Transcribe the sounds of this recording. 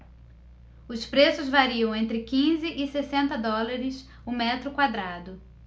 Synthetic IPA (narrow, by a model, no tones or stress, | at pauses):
ʊspɾesʊzvaɾiɐ̃w̃ẽnt̪ɾɪkĩzɪʔɪsesẽnt̪ɐd̪ɔlaɾɪs | ʊmɛt̪ɾʊkwad̪ɾad̪ʊ